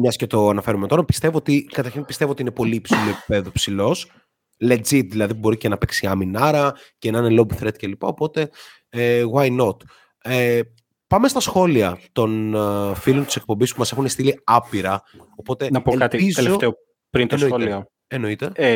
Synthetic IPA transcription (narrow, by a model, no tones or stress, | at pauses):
mɲɐscet̪o̞ɐnɐfe̞ɾumet̪o̞ɾɐpi̥st̪e̞voot̪ikɐt̪ɐɾçinpist̪e̞voot̪iinepo̞lipsiloepi̥pe̞ðupsilo̞s | led͡zit̪ðilɐðiubo̞ɾicenɐpeksiɐminɐɾɐcenɐnelobθɾet̪̚ce̞lipɐ̰o̞po̞t̪e̞ | eɣwɐjno̞t̪ | e | pɐme̞st̪ɐsxo̞liɐt̪o̞nfilo̞nt̪i̥sek̚po̞mbispumɐse̞xunest̪iliɐpiɾɐ | o̞po̞t̪e̞nɐpolkɐt̪iizeleofteo | pɾint̪ɐnoiolio | eno̞it̪e̞